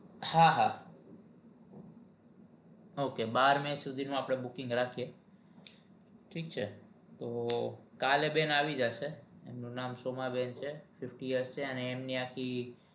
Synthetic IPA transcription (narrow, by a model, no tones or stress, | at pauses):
haɦa | okebaɾmẽsud̪ʱinũapɽ̃ebukɪŋɡɾakʰije | ʈʰikt͡ʃʰe | t̪okalebenaʋid͡ʒaʃeemnũnamsomabent͡ʃʰefɪfʈijəɾst͡ʃʰeəneːmniakʰi